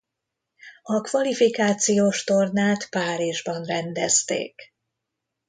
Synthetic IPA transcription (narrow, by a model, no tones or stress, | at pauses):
ɒkʋɒlifikaːt̪sijoːʃt̪o̞rnaːt̪paːɾiʒbɒnrɛnd̪ɛst̪ḛːk